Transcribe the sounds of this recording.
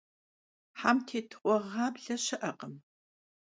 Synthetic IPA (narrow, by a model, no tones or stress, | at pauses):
ħaːmtʰeːtʰɨ̥χʷʼɔʁaːbɮɐɕɐʔɐqəm